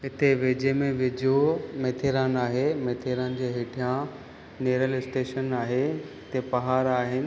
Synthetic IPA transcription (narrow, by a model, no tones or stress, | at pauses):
ɪt̪ʰeʋeːd͡ʑemẽʋɪd͡ʑomeːt̪ʰeːɾaːnaːɦemeːt̪ʰeːɾaːnd͡ʑeːɦeːʈʰijã | neːɾəlɪsʈeːʃənaːɦeɪt̪epɐɦaːɾaːɦɪnɪ̆